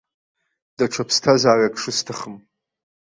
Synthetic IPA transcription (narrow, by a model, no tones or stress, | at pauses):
d̥aʈ͡ʂʰapʰstʰazaːrakʰʂɨstʰɨχəm